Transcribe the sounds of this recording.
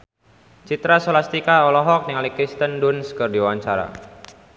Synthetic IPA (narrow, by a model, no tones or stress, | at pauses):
t͡ʃit̪ɾasolast̪ikaɔlɔɦɔk̚nɪŋalikɾist̪əndʊnskərdiwawaɲt͡ʃaɾa̰